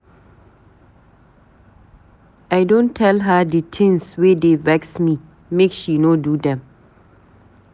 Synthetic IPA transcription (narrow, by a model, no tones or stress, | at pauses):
ʔajdõntʰːɛlɦaditʰɪ̃ŋswedevɛksmi | mekʃinodudɛ̃m